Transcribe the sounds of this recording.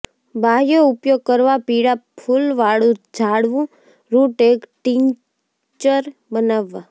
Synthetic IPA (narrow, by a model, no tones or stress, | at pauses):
bʱajoupjoɡ̚kəɾʋapiɽapʰulʋaɽũd͡ʒaɽʋũ | ɾuʈekʈiɲ | t͡ʃəɾbənaʋːa